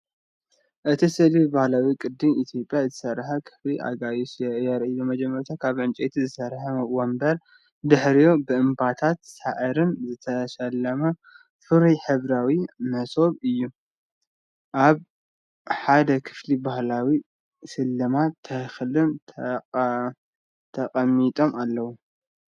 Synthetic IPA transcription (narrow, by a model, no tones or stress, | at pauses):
ʔɨt̪ʰisɨlibahlawikʼɨd̪ːɨmit̪ʰjo̞pʼjazɨ̥sɐɾːħɐkʰɨ̥fliʔa̰ɡajusjɛjɛɾʔijomɐd͡ʒɛmːɐɾut̪ʰakʰaβʕɨnt͡ʃʼet̪ʰizɨsɐɾħɐmwombɐɾ | d̪ɨħɾijobɨʔɨmbat̪ʰat̪saʔɨɾɨnzɨt̪ʰɐʃɐlːɐmɐ | fɨɾijħɨβɾawimɐso̞βɨjːu | ʔaβ | ħad̪ɐkʰɨ̥flibahlawi | sɨlːɨmatt̪ʰːɐxlɨmʰ | t̪ʰɐqʼɐmːit̪ʼo̞malːɐwu